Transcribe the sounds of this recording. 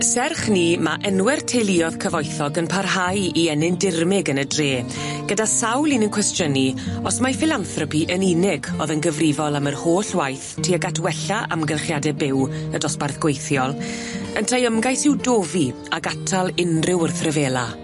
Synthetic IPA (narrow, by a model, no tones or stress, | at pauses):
sɛrχniːmaʔɛnwɛrtʰejlˠiɔð̥kʰəvɔjθɔɡənpʰarɦajiɛnɪndɪrmɪɡənədreː | ɡ̥ədasawlˠinənkʰwɛstjəniɔsmafɪlanθrɔpiʔəninɪɡɔðənɡəvrɪvɔlˠamərhoːɬwajθtʰiːaɡatʰwɛɬaʔa̰mɡəlˠχjadɛbɪwədɔsbarθɡ̥wejθjɔlˠəntʰajəmɡajsɪwdoːvi | aɡatʰalˠɪnrɪwərθrəveːlˠa